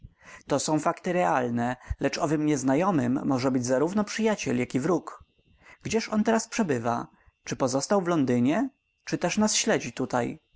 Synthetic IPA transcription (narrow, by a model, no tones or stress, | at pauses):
t̪ɔsɔ̃w̃fakt̪ɘɾɛalnɛlɛt͡ʂɔvɘmɲɛznajɔmɘmːɔʐɛbɘd͡ʑzaɾuvnɔpʂɘjat͡ɕɛljakʲivɾuk | ɡ̥d͡ʑɛʂɔnt̪ɛɾaspʂɛbɘva̰ | t͡ʂɘpɔzɔst̪awvlɔnd̪ɘɲɛ | t͡ʂɘt̪ɛʂnasɕlɛd͡ʑit̪ut̪aj